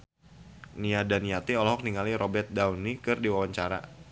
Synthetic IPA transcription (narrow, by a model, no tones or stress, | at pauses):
niadaniat̪iɔlɔɦɔk̚niŋaliɾobɛrt̪̚dawnikɨrdiwawaɲt͡ʃaɾa̰